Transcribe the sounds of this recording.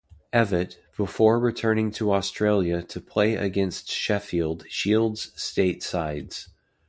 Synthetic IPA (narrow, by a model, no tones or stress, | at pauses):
ɛvɨt̚b̥əfɔɹɹɨtʰɜ̃˞nɪ̃ŋtʰəɔstɹ̥eɪlˠjɨɾɨpʰl̥eɪʔɨ̰ɡɛ̃nstʃɛfilˠd̥ʃilˠdz̥steɪtsaɪdz̥